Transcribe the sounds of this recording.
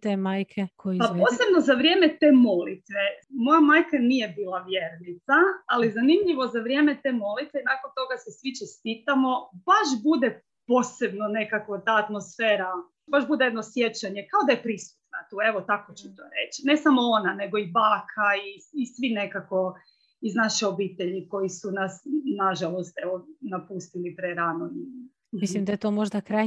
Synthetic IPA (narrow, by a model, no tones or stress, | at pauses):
t̪emaːjkʰekʰojpapo̞ːsse̞bno̞zaʋɾje̞ːmet̪e̞ːmo̞lḭt̪ʋemo̞jamaːjkanije̞biːlˠaʋje̞ːɾnit̪saalizanimʎiʋo̞zaʋɾje̞ːmet̪eːmo̞lit̪ʋeinakont̪o̞ɡasesʋit͡ʃest̪iːt̪amo̞b̥aʃbud̪e | poːse̞bno̞ne̞kakʋot̪aːt̪mo̞sfeːɾa | baʃbud̪ejed̪no̞sje̞t͡ɕaɲe̞kaod̪ajepɾisu̥t̪nat̪ue̞ʋo̞t̪akot͡ʃut̪oːɾḛt͡ɕine̞samoonane̞ɡo̞ibaːkʰaiːsʋine̞kako̞ | iznaʃeo̞biːt̪eʎiko̞jisunasnaʒalˠo̞st̪eʋonapust̪ilipɾeɾano | mislimd̪ajet̪oːmoʒd̪akɾa